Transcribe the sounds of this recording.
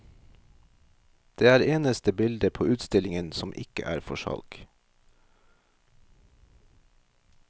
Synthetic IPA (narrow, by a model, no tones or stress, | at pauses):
d̪̥eːæːɾeːnəst̪əbɪld̪əpʰoːʔʉːt̪st̪ɪlɪŋənsɔmʔɪ̰kə̰ʔæ̰ːɾfɔʃɑ̰lk